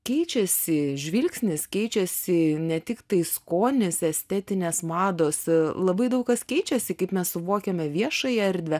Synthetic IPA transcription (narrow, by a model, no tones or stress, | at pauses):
kʲɛɪt͡ʃʲɛsʲɪʒʲʋʲɪlʲksʲnʲɪskʲɛɪt͡ʃʲɛsʲɪnʲɛt̪ʲɪkt̪ɐɪskoːnʲɪsɛsʲt̪ʲɛt̪ʲɪnʲeːsmɑːd̪oːslˠɐbɐɪd̪ɐʊkkɐskʲɛɪt͡ʃʲɛsʲɪkɐɪpmʲɛssʊʋoːkʲɛmʲɛʋʲiɛʃɐjɛɐɾʲd̪ʲʋʲɛ